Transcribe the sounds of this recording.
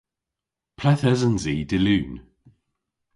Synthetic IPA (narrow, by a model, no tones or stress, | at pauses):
pʰlɛθɛzənziːdɪlʉːn